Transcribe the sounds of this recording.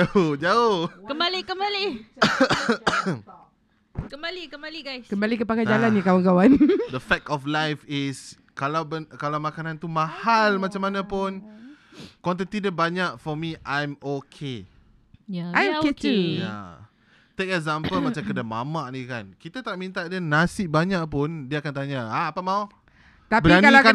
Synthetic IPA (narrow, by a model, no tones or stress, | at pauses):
d͡ʒaohd͡ʒaohkəmbalikəmbali | kəmbalikəmbaliɡajskəmbalikəpakad͡ʒalanakawankawand̪əfɛk̚tɔflajfɪs | kalawbənkalawmakanãnt̪umãhalmat͡ʃamanãpʊn | kɔnt̪̬ənt̪idəbaɲaʔfɔmiʔajmokʰe | jaajet̪ija̰ | t̪ekɛkzãməlmat͡ʃamkədama̰maʔnikankit̪at̪aʔmĩnt̪aʔdənasɪʔbaɲaʔpʊndiəakant̪aɲaaːpamau | t̪apbəɾanaiaka